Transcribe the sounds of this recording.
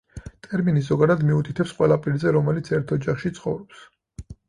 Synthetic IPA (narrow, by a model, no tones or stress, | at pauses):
t̪ʼɛɾminis̬zɔɡad̪ad̪miut̪ʼit̪ʰɛpsqʼwɛlˠapʼiɾzɛɾɔmɛlit̪sʰɛɾt̪ʰɔd͡ʒaχʃit̪sʰχɔvɾɔps